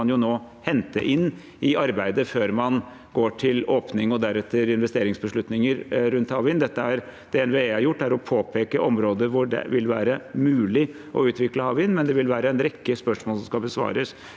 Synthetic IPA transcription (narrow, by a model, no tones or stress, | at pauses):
ɑnjʊnoː | hɛnt̪ə̰ʔɪnː | ɪɑɾbæɪd̪əføːɾmɑn | ɡoːʈʰɪloːpnɪŋɔd̪æɾɛt̪ʰːəɾɪnʋɛst̪eːɾɪŋsbəʂɭʉt̪nɪŋəɾɾʉnt̪hɑʋɪnd̪ɛt̪ːəæɾd̪̥ɛɛnʋeæɾjʊʈːæɾɔpʰoːpʰeːkəʔɔmɾoːd̪əɾʋʊɖɛ̰ʋɪlʋæːɾəmʉːlɪ | ʔɔ̰ʉːt̪ʋɪkləhɑːʋɪnmɛnd̪ɛʋɪlʋæːɾəɛnɾɛkːəspœʂmoːlsɔmskɑbəsʋɑ̰ːɾəs